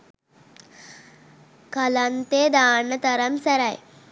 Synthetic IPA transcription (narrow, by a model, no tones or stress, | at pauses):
kalant̪eːd̪aːnːət̪ɐɾɐmsæɾɐj